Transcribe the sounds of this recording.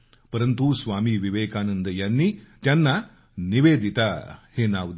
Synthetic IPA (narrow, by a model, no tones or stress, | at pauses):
pɐɾɐnt̪usʋaːmiʋiʋeːkaːnɐnd̪ɐjɐnːit̪jɐnːɐ | niʋeːd̪ʱit̪ɐheːnaːʋd̪